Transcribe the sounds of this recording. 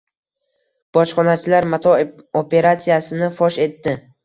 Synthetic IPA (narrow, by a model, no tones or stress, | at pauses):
b̥ɒt͡ʃχɒnat͡ʃʰɪlaɾmat̪ʰɒ | opʰe̞ɾat̪sijasɪnɪfɒʃe̞t̪ːɪ